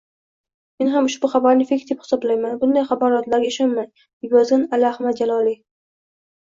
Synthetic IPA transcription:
me̞nɦamʊʃbʊχabaɾnɪfekʲd̪ephɪ̥sɒblajmanbʊnd̪ajχabaɾɒt̪laɾɡʲaeʃɒnmaj̪ | ɡʲɒzɪnalːhmad̪̚d͡ʒalɒli

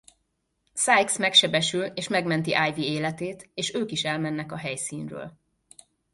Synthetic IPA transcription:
saːjksmɛkʃɛbɛʃyleːʃmɛɡmɛnt̪iʔaːjvieːlɛt̪eːt̪eːʃøːkiʃɛlmɛnːɛkɒɦɛjsiːnrø̰ːl

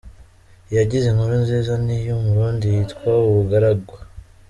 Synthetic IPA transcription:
jaɟize̞ŋuɾinzeːzanijomuɾuːndijitkwawuβuɡaɾaɡwa

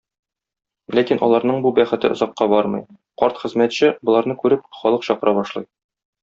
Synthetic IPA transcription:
lækinʔɒ̰lˠɑɾnɤɴbubæχɘ̆t̪ɘŏzɑqːɑbɒɾmɤ̰j | qɒɾt̪χɘ̆zmæt̪ɕɘbŏlˠɑɾnɤkʉɾɘp̚χɒlˠɤqɕɒqɤ̆ɾʔɑbɒʃlˠɑ̰j

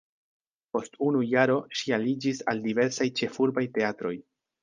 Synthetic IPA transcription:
po̞stunujaɾo̞ʃialid͡ʒisa̰ldive̞ɾsajt͡ʃe̞fuɾbajte̞atɾo̞j

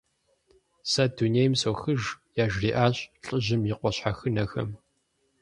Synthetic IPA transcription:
saduneːjmsowxɨʒjaːʒriːʔaːɕɬʼɨʑɪmjɪqʷɔɕħaxɨnɐxɐ̰m

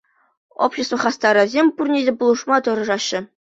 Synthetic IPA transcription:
o̰pɕest̪vŏχɑst̪ɑɾɤ̆zʲemʲpurnʲedʲepulˠɤ̆ʂmɑt̪ɤ̆ɾɤ̆ʐɑɕːɘ̆

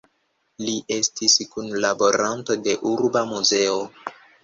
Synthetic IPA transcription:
liʔe̞stiskunlabo̞ɾanto̞de̞ʔuɾbamuze̞o

